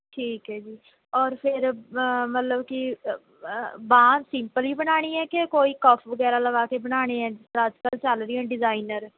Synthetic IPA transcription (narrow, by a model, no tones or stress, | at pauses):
ʈʰiːkɦɛːd͡ʒiː | ɔːɾpʰɪɾmət̪ləbkɪ | baːnsɪmpəliːbəɽ̃aːɽ̃iːɛːkekoːiːkɔːpʰʋəɡɛːɾaːləʋaːkeːbəɽ̃aːɽ̃eːɛːpəɾəd͡ʒkəlt͡ʃəlɾiːɛ̃ɖɪzaːinəɾ